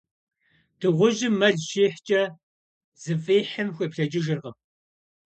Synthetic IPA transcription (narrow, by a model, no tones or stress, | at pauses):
d̥ɨʁʷʊʒɪmːɐɮʃeːħt͡ʃʼɐ | z̥ɨfʼeːħəmxʷepɬɐd͡ʒɪʒɨrʁə